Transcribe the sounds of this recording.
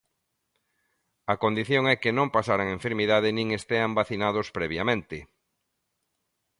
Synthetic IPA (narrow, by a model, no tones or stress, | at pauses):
ɐkond̪iθjõŋɛkɪnõmpasaɾaŋeɱfeɾmiðaðɪnĩŋest̪eambaθinað̞ospɾɛβjamẽnt̪ɪ